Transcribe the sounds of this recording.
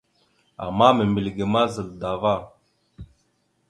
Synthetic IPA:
a̰˨mːa˦me˨mbi˨lɡe˨ma˦zə˨lda˨va˦˨

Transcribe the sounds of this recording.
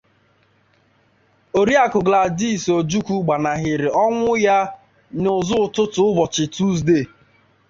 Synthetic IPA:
o˨ɾi˦a˨kʊ˨ɡla˨di˦˨so˨d͡ʒu˦ku˦ɡ͡ba˨na˨ɦɪ˨ɾɪ˨ɔ˦ŋʷʊ˦ja˦ | nʊ˨zʊ˦ʊ˨tʊ˦tʊ˨ʊ˦bɔ˨t͡ʃɪ˨tu˦z̬de˦˨

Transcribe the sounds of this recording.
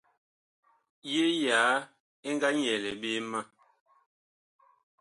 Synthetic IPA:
je˦jaː˨˦ | e˦ŋɡa˦ɲɛ˨lɛ˨be˦ma˦

